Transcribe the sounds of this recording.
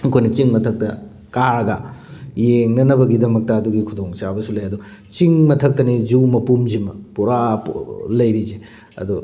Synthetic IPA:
ɐkʰojnɐt͡ʃiŋmɐtʰɐk̚tɐ | kaɾɐɡɐjeŋnɐnɐbɐɡidɐmɐk̚tɐːd̪uɡikʰudoŋt͡ʃabɐsulɐjɐd̪u | t͡ʃiŋmɐtʰɐk̚tɐnid͡ʒumɐpumd͡ʒimɐpuɾaplɐjɾize | ɐ̰d̪u

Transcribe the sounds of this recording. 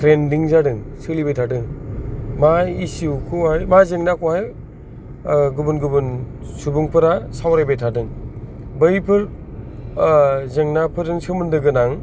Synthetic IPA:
tʰɾendiŋzadɯŋsɯlibejtʰadɯŋ | maisiwkʰuhajmazeŋnakʰohaj | ɡubɯnɡubɯnsubuŋpʰɯɾasawɾajbejtʰadɯŋ | bɯjpʰɯɾ | zeŋnapʰɯɾdɯŋsɯmɯndɯɡɯnaŋ

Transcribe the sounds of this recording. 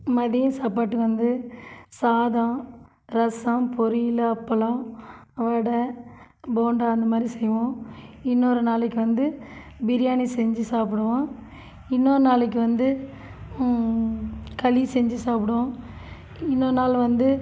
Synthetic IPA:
mɐðɪjɐ̃saːpaːʈːɯkːɯʋɐnd̪ɯsaːðãː | ɾɐsãːpɔɾɪjɪlɐpːɐlãːʋɐɽɐ | boːɳɖaːɐnd̪ɐmaːd̪ɾisɛjːɐʋõːɪnːoːɾɯnaːlɛkːɯʋɐnd̪ɯ | bɪɾɪjaːnisɛɲd͡ʒɯsaːpɪɽɯʋãː | ɪnːoːɾɯnaːlɛk̬ːɯʋɐnd̪ɯ | kɐlisɛɲd͡ʒisaːpɪɽõː | ɪnːoːɾɯnaːlʋɐnd̪ɯ

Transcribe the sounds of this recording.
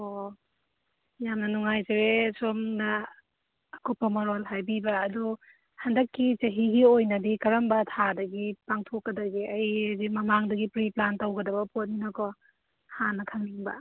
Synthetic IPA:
o | jamnɐnuŋajzeɾesomnaː | kɔpːɐmɐɾolɦajbibɐːdɔ | hɐndɐkːit͡ʃɐɦiɡiojnɐdikɐɾɐmbɐtʰadɐɡipaŋtʰokːɐdɐɡiɐjezimɐmaŋdɐɡipɾiplantawɡɐdɐbɐpʰot̚ninɐkɔ | hanːɐkʰaŋniŋbɐ̰

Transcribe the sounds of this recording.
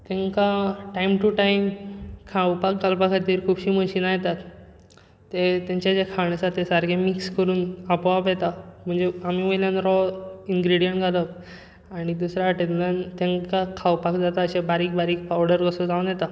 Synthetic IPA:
t̪ẽŋkaʈaimʈuʈaimkʰawpakɡəlpakʰəɾt̪iːɾkʰuːbɕiːməɕiːnajet̪at̪ː | et̪jãɲt͡ɕjad͡ʑekʰaɳ̃əsat̪ːesaɾɡʱẽmikskəɾuːnapʋapjet̪am̤əɳd͡zeamiːʋəjljanɾɔiŋɡɾiɽijəɳʈɡʱalək | aɽ̃id̪usɾjaʈenlant̪ẽŋkakʰawpakd͡zat̪aəɕebaɾiːk̚bʱaɾiːk̚pawɽəɾɡəsod͡zaunjɛt̪a

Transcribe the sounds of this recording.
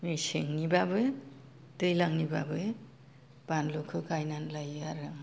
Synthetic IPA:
meseŋnibabɯj | dɯjlaŋnibabɯj | b̥anlokʰɯkajnanlajaɾɯŋ

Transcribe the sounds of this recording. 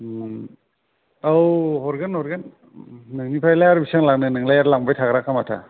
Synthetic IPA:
awɦɔɾɡanɔɾɡan | nɯŋnipʰajlajaɾbisaŋlaknɯnɯŋlajaɾlaŋbajtʰaɡɾakʰːamatʰa̰

